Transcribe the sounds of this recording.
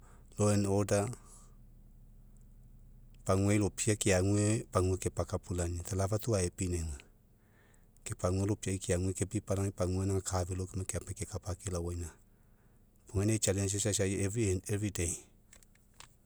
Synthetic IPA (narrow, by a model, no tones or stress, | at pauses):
loɛnɔda | paŋweilopʰiakiaŋwepaŋwekepakapulanit̪alavat̪uaepineŋwɛ | kepaŋwelopiaikiaŋwekepipalanipaŋwenaakʰavelokemɛkeapɛkekapakelawɛna | paŋwɛnet͡ʃalɛns̬eʃaʃaɛviɛvɹide